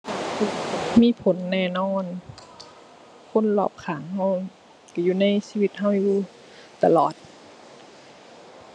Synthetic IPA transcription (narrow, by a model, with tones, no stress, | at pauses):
miː˧˥˨pʰo˨˦nːɛː˧˩˨nɔː˧˥˨n | kʰo˧˥˨nlɔ̰ː˧˩p̚kʰaː˨˦ŋha˧˩w | ka˧˩juː˧˨na˧˥˩jsiː˧wi˧t̪̚ha˧˩wjuː˧˩ | t̪a˧˨lɔː˨˩t̪̚